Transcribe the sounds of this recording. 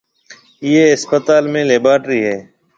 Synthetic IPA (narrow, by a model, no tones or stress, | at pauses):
ɪjeːɦɪspət̪aːlmẽːleːbaːʈɾiːɦɛː